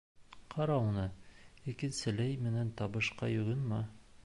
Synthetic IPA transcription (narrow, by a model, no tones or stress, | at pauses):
qʰɑɾɑunɤikɘ̆nsɘ̆læjmɘ̆nænt̪ɒbɤ̆ʃqɑ̰jɵ̆ɡɘnmɑ